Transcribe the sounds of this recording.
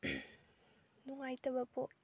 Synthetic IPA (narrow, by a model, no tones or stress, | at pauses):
nuŋajtɐbɐpo